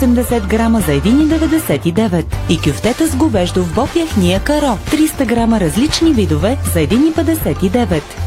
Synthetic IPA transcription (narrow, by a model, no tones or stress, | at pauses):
osɛmd̪ɛsɛt̪ɡɾaməzɐɛd̪inid̪ɛvɛd̪ɛsɛt̪id̪ɛvɛt̪ikʲʊft̪ɛt̪əzɡobɛʒd̪ovbɔpjaxniəkɐɾɔt̪ɾist̪əɡɾaməɾɐzlit͡ʃnivid̪ʊvɛzɐɛd̪inipɛd̪ɛsɛt̪id̪ɛvɛt̪